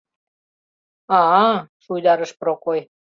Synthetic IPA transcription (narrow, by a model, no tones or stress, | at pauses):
ɑʃujd̪ɑɾə̆ʃpɾokoj